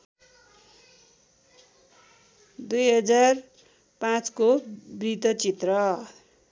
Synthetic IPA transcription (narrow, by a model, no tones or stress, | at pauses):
d̪ujɦʌd͡zar | pãt͡skobrit̪ʌt͡sit̪rʌ